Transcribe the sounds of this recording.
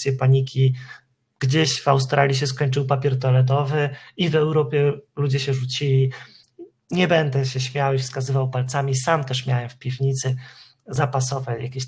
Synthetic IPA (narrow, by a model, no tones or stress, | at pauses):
jɛpaɲikʲi | ɡ̥d͡ʑeɕvawst̪ɾʔalʲjiɕ̬ɛskɔɲt͡ʂɘwpapʲjɛɾt̪ɔlɛd̪ɔvɘivɛwɾɔpʲjɛlud͡ʑɛɕɛʐut͡ɕilʲi | ɲɛbɛnd̪ɛɕɛɕmʲjawifskazɘvawpalt̪samʲisamt̪ɛʂmʲjawɛmfpʲivɲit̪sɘ | zapasɔvat͡ɕjakʲeɕ